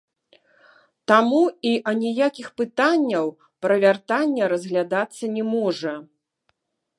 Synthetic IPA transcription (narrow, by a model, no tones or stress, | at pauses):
t̪amuiʔɐnʲijakʲixpɨt̪anʲːɐw | pɾɐvʲart̪anʲːɛɾɐzɣlʲad̪at̪sːɐnʲɛmɔʐɐ